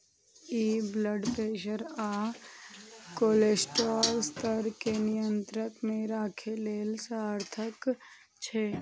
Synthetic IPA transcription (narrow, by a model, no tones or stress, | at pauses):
iːbləɖpeːʃəɾaː | koːleːsʈɾɔːlst̪ʰəɾkenɪjə̃nt̪ɾəkmẽɾaːkʰeleːlsaɾt̪ʰək | t͡ʃʰeː